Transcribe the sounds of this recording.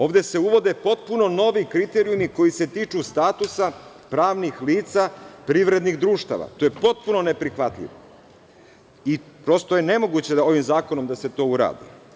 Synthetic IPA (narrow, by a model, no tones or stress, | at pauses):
o̞ːʋd̪e̞se̞uʋo̞d̪e̞po̞t̪̚puno̞no̞ʋikɾit̪eɾiumiko̞ise̞t̪iːt͡ʃust̪aːt̪usa | pɾaːʋnixliːt̪sapɾiʋɾe̞d̪niɣd̪ɾuːʃt̪a̰ʋa̰t̪oːje̞po̞t̪̚puno̞ne̞pɾixʋat̪lʎʲḭʋo̰ | ipɾo̞st̪oje̞ne̞mo̞ɡut͡ɕe̞o̞ʋimzaːko̞no̞md̪ase̞t̪o̞ːuɾa̰ːd̪ḭ